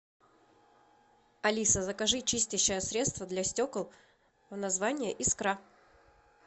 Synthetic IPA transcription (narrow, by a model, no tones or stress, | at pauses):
ɐlʲisəzəkɐʐɨt͡ɕisʲt̪ʲɪɕːəjəsɾʲe̞t̪st̪vəd̪lʲasʲtʲokəlˠ | vnɐzvanʲɪjəʔiskɾa